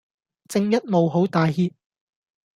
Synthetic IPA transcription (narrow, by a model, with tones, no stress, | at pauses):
t͡sɪ˧ŋjɐ˥t̚mo˨wɦo˨˥wt̪aː˨jhiː˧p̚